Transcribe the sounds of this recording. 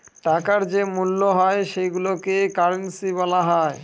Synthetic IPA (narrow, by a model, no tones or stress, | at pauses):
ʈakaɾd͡ʑemulːoɦɔeʃeɡulokekaɾensiβɔlaɦɔe